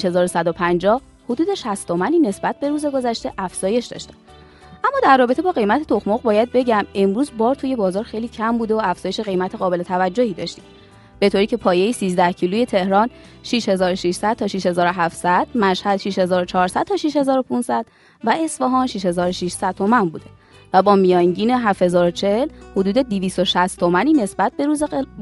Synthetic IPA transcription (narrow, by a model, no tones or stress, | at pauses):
ʃhe̞zɒːɾosæd̪opʰænd͡ʒɒːh | hod̪uːd̪e̞ʃæst̪ʰo̞mæniːne̞sbæt̪̚be̞ɾuːze̞ɡo̞zæʃt̪e̞ʔæfz̥ɒːje̞ʃd̪ɒ̰ʃt̪æ̥ | ʔæmːɒːd̪ærːɒːbe̞t̪ʰe̞bɒːɣe̞jmæt̪ʰet̪ʰo̞xmoɣbɒːjæd̪̚be̞ɟæme̞mɾuːzbɒːɾt̪ʰuje̞bɒːzɒːɾxe̞jliːcʰæmbuːd̪eoæfz̥ɒːjeʃe̞ɣe̞jmæt̪ʰeɣɒːbe̞le̞t̪ʰævæd͡ʒːohiːd̪ɒ̰ʃt̪i̥ːm | b̥e̞t̪ʰoɾiːcʰe̞pʰɒːje̞jisiːzd̪æhcʰiːluːje̞t̪ʰe̞hɾɒːn | ʃiʃhe̞zɒːɾoʃiʃsæd̪̥t̪ʰɒːʃiʃhe̞zɒːɾoɦæftsæd̪̥mæʃhæd̪̥ʃiʃhe̞zɒːɾot͡ʃʰɒːɾsæd̥̪̚t̪ʰɒːʃiʃhe̞zɒːɾo̞pʰunsæd̪̥ | væe̞sfɒɦɒːnʃiʃhe̞zɒːɾoʃiʃsæd̪̚t̪ʰo̞mænbuːd̪e | væbɒːmijɒːŋɟiːne̞ɦæfhe̞zɒːɾot͡ʃʰehlhod̪uːd̪e̞d̪iviːst̪o̞ʃæst̪ʰo̞mæniːne̞sbæt̪̚be̞ɾuːze